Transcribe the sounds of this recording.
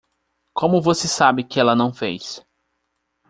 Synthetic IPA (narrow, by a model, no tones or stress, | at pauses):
kõmʊvosesabɪkɪɛlɐnɐ̃w̃fejs